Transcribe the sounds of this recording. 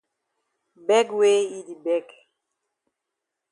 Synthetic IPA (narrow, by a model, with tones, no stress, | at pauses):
bɛ˦ɡwe˦i˦di˨bɛ˦k